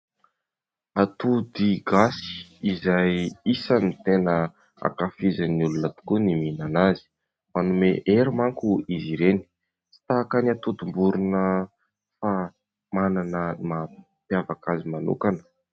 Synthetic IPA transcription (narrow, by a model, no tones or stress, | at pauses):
at̪ud̪iɡasi̥izajisanit̪enə | a̰kafizaniulunət̪u̥kuniminanazi̥ | manumeʔeɾimaŋkuiziɾeni̥ | si̥t̪akanat̪ud̪umbuɾunə | fa | mananəma | pjavakazimanṵkanə̥